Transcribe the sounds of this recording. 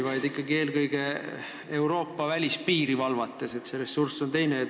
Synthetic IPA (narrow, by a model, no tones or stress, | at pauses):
vɑjd̪ikˑːɑɡie̞ːlkɤjɡe̞ | e̞wɾo̞ːpːˑɑvælʲispiːɾivɑlvɑt̪ːˑe̞se̞t̪seɾe̞sːurso̞nt̪e̞jne